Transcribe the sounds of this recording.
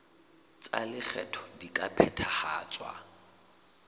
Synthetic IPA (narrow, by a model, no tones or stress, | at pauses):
t͡sʼalɪk͡xʰɛ̰tʰɔ̥dikʼapʰɛtʰaχaːt͡sʼwa̰